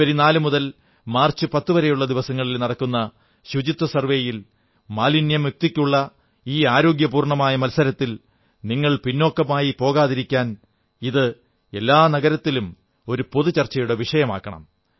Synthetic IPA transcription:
ɐɾinaːlɨmuðɐl | maːrt͡ɕːɨpɐt̪ːuʋɐɾejuɭːɐd̪iʋɐsɐŋːɐɭilnɐɽɐkːunːɐ | ɕud͡ʑit̪ːwɐsɐrʋeːjil | maːlinjɐmjuk̚t̪ikʲːuɭːɐ | iːaːɾo̞ːɡjɐpuːrɳɐmaːjɐmɐlsɐɾɐt̪ːil | niŋːɐɭpinːo̞ːkːɐmaːjipo̞ːɣaːðiɾikʲːaːn | iðɨ | e̞lːaːnɐɣɐɾɐt̪ːilum | o̞ɾupo̞ðut͡ɕɐrt͡ɕːɐjuɽeʋiʂɐjɐma̰ːkːɐɳɐ̰m

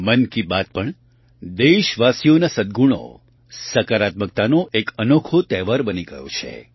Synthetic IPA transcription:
mənkibat̪̚pəɳ | d̪eʃʋasijonasəd̪̚ɡʱuɳ̃o̰ | səkaɾat̪mək̚t̪anoʔekənokʰot̪ɛʋaɾbəniɡəjo̰t͡ʃʰḛ

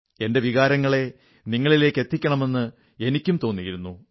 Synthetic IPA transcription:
e̞ndeʋiɣaːɾɐŋːɐɭe̞ | niŋːɐɭile̞ːkːe̞t̪ːikʲːɐɳɐme̞nːɨ | e̞nikʲːumt̪o̞ːnːijiɾunːu

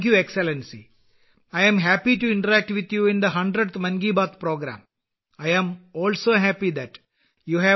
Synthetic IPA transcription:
kjuekselẽnsḭ | ajɛ̃mɦæpiʈuɪ̃ɳʈəɾæk̚ʈʋit̪juːɪ̃nd̪əɦɐ̃ɳɖɾeɖt̪mɐ̃nɡiːbaːt̪pɾoːɡɾã̰ːm | ajɛ̃mɔːlsoːɦæpid̪æʈ | juːɦæ

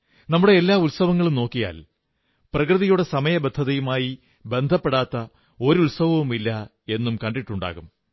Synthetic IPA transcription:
nɐmːuɽe̞ːlːaːulsɐʋɐŋːɐɭumno̞ːkːija̰ːl | prɐkrɨðɐjuɽe̞sɐmɐjɐbed̪ʱːɐðɐjumaːji | be̞nd̪ʱɐpːe̞ɽaːt̪ːɐ | o̞ɾulsɐʋɐʋumilːɐ | e̞nːumkɐɳɖiʈːuɳɖa̰ːɣum

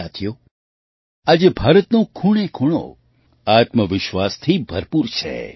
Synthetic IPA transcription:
at̪ʰijo | ad͡ʒebʱaːɾət̪nõkʰuɳekʰuɽ̃o̰ | at̪məʋɪʃʋast̪ʰibʱəɾpuɾt͡ʃʰḛ

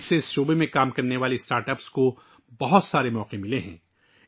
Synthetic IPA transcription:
sːeɪsʃoːbemẽkaːmkɐɾneʋaːlesʈaːɾʈəpsko | bɐɦʊt̪saːɾemɔːqemɪleɦɛ̰̃ː

